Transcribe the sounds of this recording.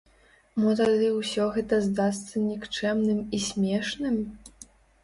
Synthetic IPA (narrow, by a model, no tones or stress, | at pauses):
mɔt̪ad̪ɨwsʲɔɣɛt̪ɐzd̪ast̪sɐnʲikt͡ʂɛmnɨmisʲmʲɛʂnɨm